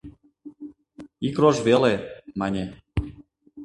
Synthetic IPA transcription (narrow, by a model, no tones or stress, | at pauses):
ikroʒβelemɑnʲe